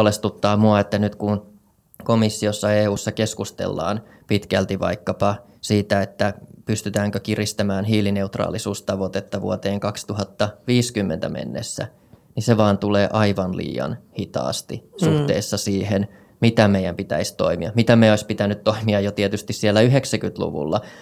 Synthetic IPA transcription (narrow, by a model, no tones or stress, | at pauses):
lest̪ut̪ːɑːmuɑet̪ːænyt̪kun | komisːiosːɑeːuːsːɑkeskust̪ḛlːɑ̰ːn | pit̪kælt̪iʋɑ̰ikːɑpɑ | siːt̪æet̪ːæpyst̪yt̪æːŋkøkirist̪æmæːnɦiːline̞ut̪rɑ̰ːlisuːst̪ɑʋot̪et̪ːɑʋṵot̪eːŋkɑkst̪uɦɑt̪ːɑʋiːskymːḛnt̪æmʔḛnːḛsːæ̰ | niseʋɑːnt̪uleːʔɑiʋɑnlḭːjɑ̰nhit̪ɑ̰ːst̪isuht̪ḛːsːɑsiːhen | mit̪æmejæmpit̪æ̰ist̪o̞̰imḭɑ̰mit̪æmeoispit̪ænyt̪t̪oimiɑjot̪iet̪yst̪issielːæyɦeksækyt̪lṵʋṵlːɑ